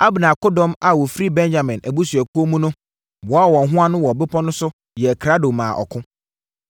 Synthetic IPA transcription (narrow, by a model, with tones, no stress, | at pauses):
a˦bnã˨ko˦dɔ̃˦ma˨wɔ˨fɾi˦bɛ̃˦nd͡ʑa˨mɛ̃˨nʔæ˨bu˦su˨æ˨ku˦o˦mũ˦nʊ̃˦ | bɔ˨a˦˨wɔ̃˨n˨ɦʊ̃˦a˦nʊ̃˦wɔ˨bɪ˦pʰɔ˦nʊ̃˦sʊ˦ | jɛ˨kʰɾa˦do˨mã̰ː˨ʔɔ̰˨kʰʊ̃˦